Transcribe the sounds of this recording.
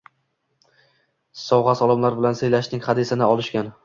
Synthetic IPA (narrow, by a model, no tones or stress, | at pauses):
sɒwʁɑsɒlˠɪmlaɾbɪlansejlaʃnɪŋʲχɑd̪ɪsɪnɪɒlˠɪʃkʲan